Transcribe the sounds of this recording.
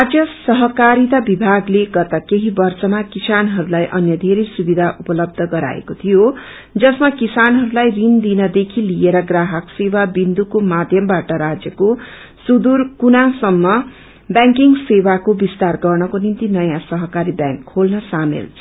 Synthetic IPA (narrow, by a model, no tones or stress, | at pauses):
rad͡zjʌsʌɦʌkaɾit̪abibʱaɡleɡʌt̪ʌkeɦibʌrsʌmakisanɦʌɾulajʔʌnjʌd̪ʱeɾʌjsubid̪ʱaʔupʌlʌb̚d̪ʱʌɡʌɾa̰ḛkot̪ʰijo | d͡zʌsmakisanɦʌɾulajrind̪inʌd̪ekʰilijeɾʌɡraɦʌksewabind̪ukomad̪ʱjʌmbaʈʌɾad͡zjʌko | sud̪urkunasʌmːʌ | bjaŋkiŋsewakobist̪arɡʌrnʌkonint̪inʌjãsʌɦʌkaɾibjãŋkʰːolnʌsamḛl